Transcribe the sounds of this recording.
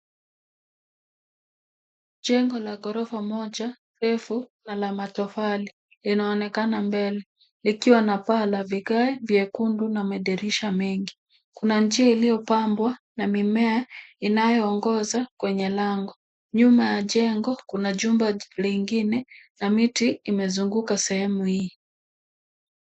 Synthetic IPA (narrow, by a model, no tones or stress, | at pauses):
ʄɛŋɡɔlaɡɔɾɔfamɔʄa | ɾɛfunalamatɔfali | linaɔnɛkanambɛlɛ | likiwanapalaviɡaɛvjɛkundunamɛɗɛɾiʃamɛŋɡi | kunand͡ʒiailijɔpambwanamimɛainajɔːŋɡɔzakwɛɲɛlaŋɡɔ | ɲumajaʄɛŋɡɔkunaʄumbaliŋɡinɛnamitiimɛzuŋɡukasɛhɛmuhiː